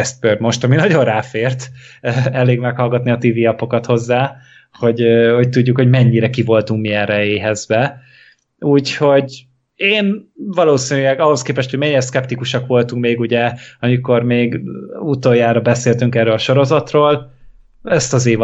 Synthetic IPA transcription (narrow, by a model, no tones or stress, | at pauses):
ɛst̪̚bøːrmo̞ʃt̪ɒminɒɟo̞nraːfeːrt̪ː | ɛleːɡmɛkhɒlɡɒt̪niɒt̪iːviːɒpo̞kɒt̪ho̞zːaː | ho̞ɟho̞c̚t̪uɟːukho̞ɟmɛɲːiɾɛkivo̞lt̪uŋkmiɛnrɛeːɦɛzbɛ | uːcho̞ɟ | eːnvɒloːsinylɛɡɒɦo̞skeːpɛʃt̪hoɟmɛɲːiɾɛskɛpt̪ikuʃɒkʋo̞lt̪uŋk̚meːɡuɟɛɒmiko̞rmeːɡut̪oːjaːɾɒbɛseːlt̪yŋkɛrːøːlɒʃo̞ɾo̞zɒt̪roːl | ɛst̪ɒzeːv